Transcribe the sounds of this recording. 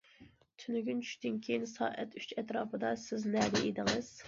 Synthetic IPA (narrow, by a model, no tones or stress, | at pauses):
t̪ʰynyɡʲynt͡ʃʰy̥ʃd̪ynkʲʰejinsɑ̰ːʔɛt̪ʰyt͡ʃɛt̪ɾɑːpɨd̪ɑsɪznɛd̪ɛʔid̪ɪŋɨz̥